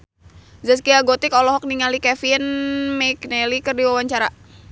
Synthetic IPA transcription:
zɛs̬kiaɡot̪ɪkɔlɔɦɔk̚niŋalikɛfinmɛknɛlikərdiwawaɲt͡ʃaɾa

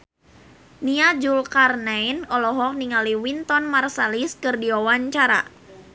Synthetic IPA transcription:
niad͡ʒulkarnajnɔlɔɦɔk̚niŋaliwint̪ɔnmarsaliskɨrdiawaɲt͡ʃaɾa̰

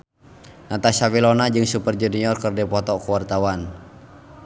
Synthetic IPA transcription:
nat̪asawilɔnad͡ʒɨŋsupərd͡ʒuniɔrkərdɛpɔt̪ɔkuwart̪awan

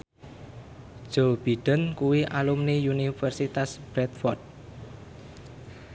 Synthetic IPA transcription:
ʒ̥ob̥i̤ɖ̥ə̤nkuwiʔalumnijunifərsit̪asb̥ɾɛt̪̚fɔrd̚

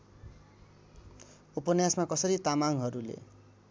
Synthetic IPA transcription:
upʌnjasmakʌsʌɾit̪amaŋɦʌɾulḛ

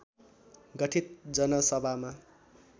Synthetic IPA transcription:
ɡʌʈʰit̪̚d͡zʌnʌsʌbʱama

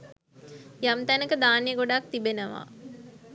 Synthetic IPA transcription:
jamt̪ænəkəd̪aːnijəɡoɖak̚t̪ibenəʋa̰

